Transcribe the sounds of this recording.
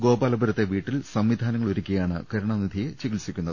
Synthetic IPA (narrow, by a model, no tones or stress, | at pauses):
ɡo̞ːbaːlɐbʱuɾɐt̪ːe̞ʋiːʈːilsɐmʋid̪ʱaːnɐŋːɐɭoɾukʲːɐjaːɳɨ̰kɐɾuɳɐnid̪ʱijet͡ɕeɡilsikʲːunːɐðɨ